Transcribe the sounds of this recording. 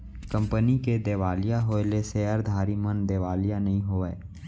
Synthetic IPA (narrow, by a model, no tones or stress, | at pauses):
kə̃mpəniked̪eːʋaːlijaɦoːeleseəɾd̪ʱaːɾimənd̪eːʋaːlijanɐɦĩɦoeː